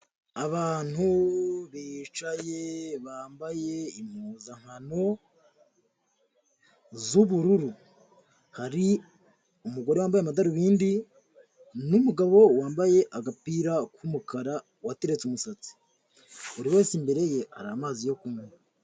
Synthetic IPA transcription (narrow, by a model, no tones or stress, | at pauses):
aβaːn̥huβit͡ʃaje̞βaːmbaje̞im̥huzaŋ̥hano̞ | zuβuɾuɾu | haɾi | umuɡo̞ɾewaːmbajamadaɾuβiːndi | numuɡaβo̞waːmbaje̞ʔaɡapiːɾakumukaɾa | wateɾet͡sumusat͡si̥ | uɾiwe̞ːsimbe̞ɾe̞je̞ha̰ɾamaːzijo̞kume